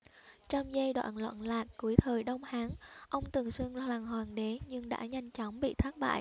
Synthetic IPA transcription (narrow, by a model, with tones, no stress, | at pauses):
t͡ɕa˧wŋ͡mzə˧jɗwa̰ː˧˨nlwa̰ː˧˨nlaː˨˩kku˨˩˦əjt̪ʰəː˨˩jɗə˧wŋ͡mhaː˨˦ŋʔə˧wŋ͡mt̪ɨ˨˩əŋswɨ˧əŋlaː˨˩ŋɦwaː˨˩nɗe˨˦ɲɨ˧ŋɗa̰ː˧˥ɲa˧jŋ̟t͡ɕɔ˨˦wŋ͡mɓḭ˧˨t̪ʰaː˦˥t̚ɓa̰ː˧˨j